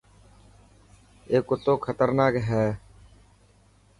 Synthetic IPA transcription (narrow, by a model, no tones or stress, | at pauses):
eːkʊt̪ːoːkʰət̪əɾnaːkɦɛː